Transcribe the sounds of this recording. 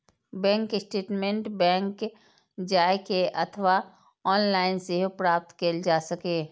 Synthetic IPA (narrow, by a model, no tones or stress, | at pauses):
bɛ̃ːŋkɪsʈeːʈmẽɳʈbɛ̃ːŋk | d͡ʒaːekeʔət̪ʰʋa | ɔːnlaːɪnseɦpɾaːp̚t̪keld͡ʒaːsəkeː